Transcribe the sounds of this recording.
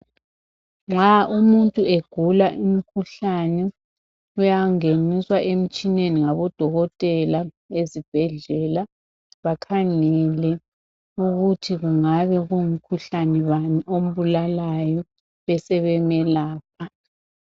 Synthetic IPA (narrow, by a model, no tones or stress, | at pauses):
ŋ͡ǁaʔumuntʼueɡ̥ʱulaʔimikʰuɬanɛ | ujaŋeniswaʔem̩t͡ʃʼineniŋaβɔd̥ʱɔɣɔtʼɛla | ezib̥ʱɛɮɛla | βakʰaŋɛlɛ | uɣutʰiɣuŋaβɛɣujum̩kʰuɬanɛβaniʔom̩βulalajɔ | βɛsɛβɛmɛlaːp̚ʰa